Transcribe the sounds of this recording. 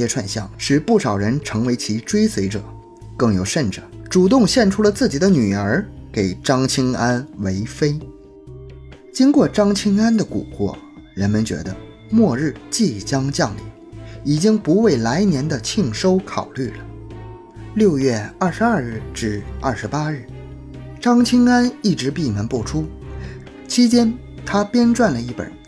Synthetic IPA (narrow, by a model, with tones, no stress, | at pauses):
ɛ˥ʈ͡ʂʰwa˥˧nɕjɑ˥˩ŋʂɻ̩˥˧pu˥˩ʂɑ˨˩ʊɻə˧˥nʈ͡ʂʰɤ˧˥ŋwe˧˥ɪt͡ɕʰi˧˥ʈ͡ʂwe˥ɪswe˧˥ɪʈ͡ʂɤ̰˨˩ | kɤ˥˩ŋjo˨˩ʊʂə˥˩nʈ͡ʂɤ̥˨˩˦ʈ͡ʂu˨˩t̪̬ʊ˥˧ŋɕjɛ˥˩nʈ͡ʂʰu˥lə˨t͡sɹ̩˥˩t͡ɕi˨˩d̪ə˦ny˨˩ə˞˧˥ke˨˩ɪʈ͡ʂɑ˥ŋt͡ɕʰi˥ŋa˥nwe˧˥ɪfe˥ɪ | t͡ɕi˥ŋkwɔ˥˩ʈ͡ʂɑ˥ŋt͡ɕʰi˥ŋa˥nd̪ə˨kṵ˨˩kwɔ̰˥˩ɻə˧˥nmə˧nt͡ɕɥɛ̰˧˥d̪ə̰˧ | mwɔ˥˧ɻɻ̩˥˧t͡ɕi˥˩t͡ɕjɑ˥ŋt͡ɕjɑ˥˩ŋlḭ˧˥˩ | i˨˩t͡ɕi˥ŋpu˧˥we˥˩ɪla˧˥ɪnjɛ˧˥nd̪ə˧t͡ɕʰi˥˧ŋʂo˥ʊkʰɑ˨˩ʊly˥˩lə˩ | ljo˥˧ʊjɥɛ˥˧ɐ˥˩ʂɻ̩˧ɐ˥˧ɻɻ̩˥˩ʈ͡ʂɻ̩˥˩ɐ˥˩ʂɻ̩˧˥pa˥ɻɻ̩˥˩ | ʈ͡ʂɑ˥ŋt͡ɕʰi˥ŋa˥ni˥˩ʈ͡ʂɻ̩˧˥pi˥˩nə˧˥npɔ˥˩ʈ͡ʂʰu˥ | t͡ɕʰi˥t͡ɕjɛ˥n | t̪ʰa˥pjɛ˥nʈ͡ʂwa˥˩nlə˩i˥˩pə̰˨˩˦